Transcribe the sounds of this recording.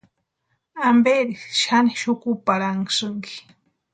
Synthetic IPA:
ambeɾiʃaniʃʊkupaɾaŋsɨŋki̥

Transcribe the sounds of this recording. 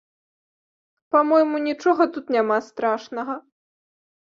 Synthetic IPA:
pamɔjmunʲit͡ʂɔɣɐt̪ut̪nʲamast̪ɾaʂnɐɣɐ

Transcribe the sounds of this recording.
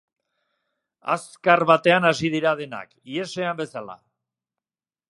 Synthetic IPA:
a̰skaɾβat̪e̞anasið̞iɾaðe̞na̰kie̞se̞ambe̞sala̰

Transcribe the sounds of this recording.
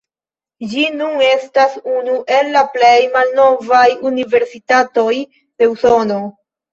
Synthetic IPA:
d͡ʒinune̞stasunuʔe̞lːaple̞jmalno̞vajunive̞ɾsitato̞j | d̥e̞uso̞no̞

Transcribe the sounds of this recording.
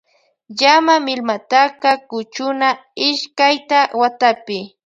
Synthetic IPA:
ʎamamɪlmat̪akakʊt͡ʃʊnaɪʃkajt̪awat̪apɪ

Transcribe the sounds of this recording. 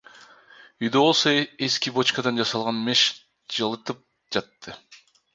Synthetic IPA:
yjd̪øβo̞lˠsoeskibo̞t͡ʃkɑd̪ɑnd͡ʒɑsɑlˠʁɑnmeʃ | d͡ʒɑlˠɯt̪ɯp̚ | d͡ʒɑt̪ːɯ

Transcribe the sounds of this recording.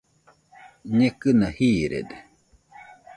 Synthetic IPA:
ɲekɨnahiːɾḛd̪e

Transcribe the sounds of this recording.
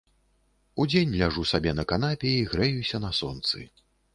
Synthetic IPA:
ud͡zʲenʲlʲaʐusabʲɛnɐkanapʲɛiɣɾɛjusʲɐnɐsɔnt̪sɨ̰

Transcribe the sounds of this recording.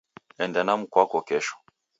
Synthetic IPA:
ɛndɛnam̩kwakɔkɛʃɔ̥

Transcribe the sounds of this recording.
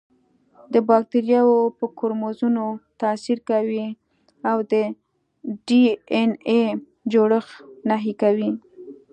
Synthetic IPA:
d̪əbɑk̚t̪eɾjɑwopəkoɾmozunot̪asiɾkawi | awd̪ə | ɖiene | d͡ʒoɽəxnaɦikawi

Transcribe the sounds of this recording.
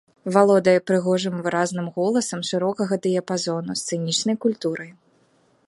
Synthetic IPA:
valˠɔd̪ɐjɛpɾɨɣɔʐɨmvɨɾaznɨmɣɔlˠɐsɐmʂɨɾɔkɐɣɐd̪ɨjɐpazɔnust̪sɨnʲit͡ʂnɐjkulʲt̪uɾɐj

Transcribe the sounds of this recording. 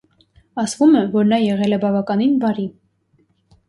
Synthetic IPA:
ɑsvumɛvɔɾnɑjɛʁɛlɛbɑvɑkɑninvɑɾi

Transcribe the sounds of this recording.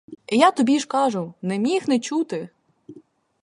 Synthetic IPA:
ijat̪ɔbʲiʃkɑʒʊnɛmʲixnɛt͡ʃut̪ɪ

